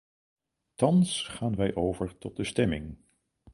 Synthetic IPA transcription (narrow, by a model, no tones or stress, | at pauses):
tɑnsχaːnʋɛjʔowvəɹtɔt̚dəstɛmɪ̰ŋ